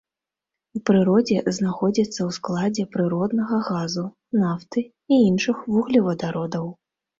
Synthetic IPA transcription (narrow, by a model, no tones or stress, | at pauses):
upɾɨɾɔd͡zʲɛznaxɔd͡zʲit̪sːɐwsklˠad͡zʲɛpɾɨɾɔd̪nɐɣɐɣazu | naft̪ɨ | iinʂɨxvuɣlʲivɐd̪aɾɔd̪ɐw